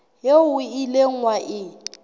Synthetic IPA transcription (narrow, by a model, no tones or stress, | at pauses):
jeʊileŋ̩waʔɪ